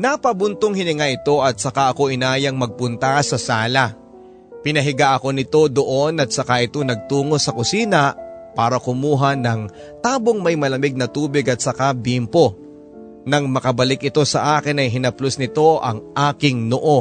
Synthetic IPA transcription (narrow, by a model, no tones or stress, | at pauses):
nɐpɐbʊnt̪oŋhɪnɪŋaʔɪt̪o̞ʔɐt̪̚sɐkaʔɐko̞ʔɪnaːjɐŋmɐɡ̚pʊnt̪asɐsaːlɐ | pɪnɐɦɪɡaʔɐko̞nɪt̪o̞d̪o̞ʔo̞nɐt̪̚sɐkaʔɪt̪o̞nɐɡ̚t̪uːŋo̞sɐkʊsiːnɐʔpaːɾɐkʊmuːɦɐnɐŋ | t̪aːboŋmɐjmɐlɐmɪɡ̚nɐt̪uːbɪɡɐt̪̚sɐkabimpo̞ | nɐŋmɐkɐbɐlɪkɪt̪o̞sɐʔaːkɪnɐjɦɪnɐplosnɪt̪o̞ʔɐ̰ŋʔaːkɪŋnoʔo̞